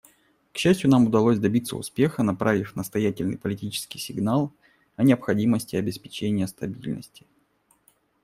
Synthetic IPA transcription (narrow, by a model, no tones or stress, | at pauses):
kɕːæsʲtʲjʊnamʊd̪ɐlˠosʲd̪ɐbʲit̪sə̰ʊ̰spʲe̞xənɐpɾʔavʲɪfʲnəst̪ɐjætʲɪlʲnɨ̰jpəlʲɪtʲit͡ɕɪ̥skʲɪjsʲɪɡnalˠ | ɐnʲɪəpxɐdʲiməsʲtʲɪɐbʲɪspʲɪ̥t͡ɕenʲɪjəst̪ɐbʲilʲnə̰sʲtʲɪ̥